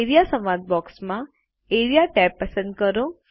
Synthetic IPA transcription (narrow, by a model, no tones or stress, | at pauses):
eɾijasə̃mʋad̪̚bɔksmã | eɾijaʈɛpːəsə̃nd̪kəɾõ